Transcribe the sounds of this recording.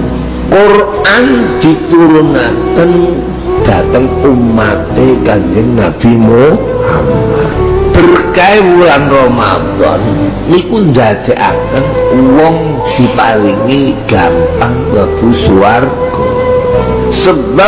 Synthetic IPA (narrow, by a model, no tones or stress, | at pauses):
kor | and̪̥i̤t̪uɾunakən | d̪̥a̤t̪əŋumat̪ekaɲd͡ʒəŋːab̥i̤mo | hamab̥ərkajwuɾanrɔma̰t̪ɔ̰nː | ikund̪ad͡ʒ̪̥ɛʔa̰kənwɔŋ | d̪̥i̤paliŋiɡ̥ampaŋbab̥usuarɡ̥ | ɔ | səba